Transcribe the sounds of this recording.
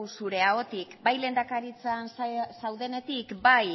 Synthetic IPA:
wsuɾe̞ao̞t̪ikbajle̞nd̪akaɾit͡sansawðe̞ne̞t̪ikbaj

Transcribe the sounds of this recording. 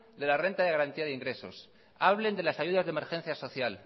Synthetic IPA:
d̪e̞lare̞nt̪aðe̞ɣaɾant̪iaðeiŋɡɾe̞so̞̰s | aβle̞nd̪e̞lasaʝuðazðe̞me̞ɾxe̞n̟θjaso̞θjal

